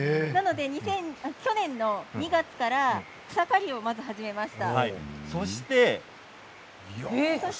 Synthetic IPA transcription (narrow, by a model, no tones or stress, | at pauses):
nano̞d̪e̞ɲ̟isẽ̞ɴakʲo̞nẽ̞nːo̞ɲ̟iɡat͡sɨ̥kaɾḁ | sakaɾʲio̞mazɨɦaʑime̞maɕi̥t̪ahaiso̞ɕi̥t̪e̞ | so